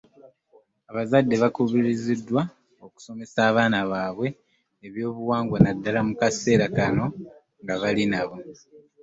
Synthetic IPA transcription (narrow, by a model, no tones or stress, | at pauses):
aβazadːe̞βakuβiɾizidːwa | oku̥so̞me̞saːβaːnaβaːβwe̞ː | βjo̞ːβuwaːŋɡwanadːalamukase̞ːɾakano̞ | ŋɡaβalinaβo̞